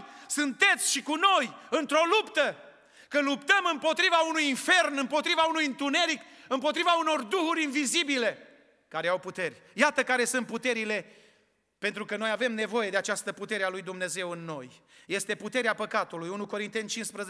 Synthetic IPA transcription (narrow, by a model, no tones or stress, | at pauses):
sɨnt̪e̞t̪sʲʃikuno̞jɨnt̪ɾo̞lupt̪ə | kəlupt̪əmɨmpo̞t̪ɾivaunujinfe̞rnɨmpo̞t̪ɾivaunujɨnt̪une̞ɾikɨmpot̪ɾivauno̞rd̪uhuɾʲinvizibile̞ | kaɾeawput̪e̞rʲjat̪əkaɾe̞sɨnt̪̚put̪e̞ɾile̞ | pe̞nt̪ɾukəno̞javemne̞vo̞je̞d̪e̞at͡ʃast̪əput̪e̞ɾealujd̪umne̞ze̞wɨnːo̞j | je̞st̪e̞put̪e̞ɾeapəkat̪ulujunuko̞ɾint̪e̞nt͡ʃinspɾəz